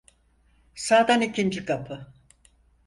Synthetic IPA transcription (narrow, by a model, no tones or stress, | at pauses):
saːd̪anicʰind͡ʒikʰapʰɯ